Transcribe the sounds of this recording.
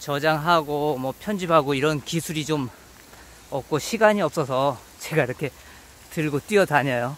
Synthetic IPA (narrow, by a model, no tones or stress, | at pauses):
t͡ɕʌd͡ʑaŋɦaɡomwʌpʰjʌnd͡ʑiphaɡoiɾʌnkisʰuɾit͡ɕom | ʌp̚k͈oɕʰiɡaɲiʌp̚s͈ʌsʰʌ | t͡ɕeɡaiɾʌkʰe̞ | tɯɭɡot͈wiʌtaɲajo